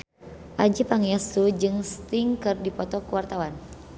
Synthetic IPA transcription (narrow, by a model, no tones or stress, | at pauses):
ʔad͡ʒipaŋiasud͡ʒɨŋst̪iŋkɨrdipɔt̪ɔkuwart̪awan